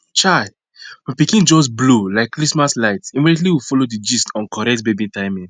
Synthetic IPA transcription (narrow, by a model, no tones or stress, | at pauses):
t͡ʃaɪ | mapikĩnd͡ʒɔs̬blolaɪkːɾismaslaɪtimidɛt̬liwifolodid͡ʒiskɔ̃nkɔɾɛk̚tbebĩntaɪmĩn